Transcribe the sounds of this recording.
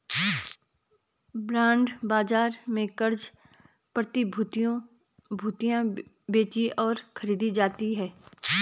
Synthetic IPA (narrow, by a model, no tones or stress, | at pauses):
bɾãːɳɖbaːd͡ʒaːɾmẽkəɾd͡ʒ | pɾət̪ibʱut̪õ | bʱuːt̪ijã | beːt͡ʃiʔɔːɾxəɾiːd̪id͡ʒaːt̪iɦɛː